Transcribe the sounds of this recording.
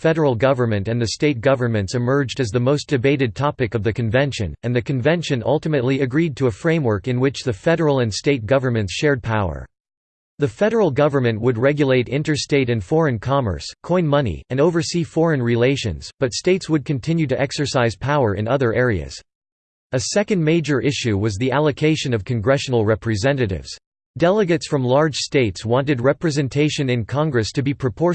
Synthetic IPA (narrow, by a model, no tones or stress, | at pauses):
fɛɾə˞l̩ˠɡʌvə˞mɨ̃ntɨ̃nðɨsteɪt̚ɡ̥ʌvə˞mɨ̃ntsɨmɜ˞d͡ʒdɨzðɨmoʊsd̥ɨbeɪɾɨd̚tʰɑpɨkʌvðɨkɨ̃ɱvɛ̃nʃɨ̰̃nɨ̃nðɨkɨ̃ɱvɛ̃nʃɨ̃nʌ̰lˠtɨmɨtˡliɨɡɹid̚tʰɨːfɹẽɪ̃mwɜ˞kɨ̃nwɪt͡ʃðɨfɛɾə˞l̩ˠɨ̃nsteɪt̚ɡ̥ʌvə˞mɨ̃ntsʃɛɹd̚pʰaʊə̰˞ | ðɨfɛɾə˞l̩ˠɡʌvə˞mɨ̃nʔwəd̚ɹɛɡjɨleɪɾɪ̰̃ntə˞steɪɾɨ̃nfɔɹɨ̃nkʰɑmə̰˞skʰɔ̃ɪ̃nmʌnḭɨ̃noʊvə˞sifɔɹɨ̃nɹileɪʃɨ̰̃nz̥b̥ʌtsteɪtswəd̚kʰɨ̃ntʰɪ̃njʉɾɨʔɛksə˞saɪz̥pʰaʊə˞ʔɨ̰̃nʌðə˞ʔɛɹiɨ̰z̥ | ɨsɛkɨ̃nmeɪd͡ʒə˞ʔɪʃʉwʌzðiʔælˠəkʰeɪʃɨ̃nʌv̥kʰɨ̃nɡɹɛʃnl̩ˠɹɛpɹɨzɛ̃nɨɾɪ̰vz̥ | d̥ɛlˠəɡɨtsfɹʌ̃mlɑɹd̥ʒ̥steɪtswɑ̃ntɨd̚ɹɛpɹɨzɨ̃ntʰeɪʃɨ̃nɨ̃nkʰɑ̃ŋɡɹɨstʰɨbipʰɹ̥ɨpʰɔɹ